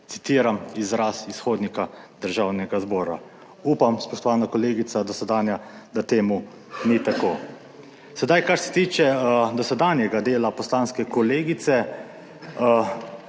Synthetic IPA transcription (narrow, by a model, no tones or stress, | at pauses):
t̪si̥t̪iːɾamizɾasisxoːd̪nikad̪̥əɾʒawnɛɡazbɔːɾa̰ | uːpamspɔʃt̪ɔʋaːnakɔleːɡit̪sad̪ɔsɛd̪aːnjad̪at̪eːmu | nit̪akoː | sɛd̪ajkaɾsɛ̥t̪iːt͡ʃɛd̪ɔsɛd̪anjɛɡad̪eːlapɔslaːnskɛkɔleːɡit̪sɛ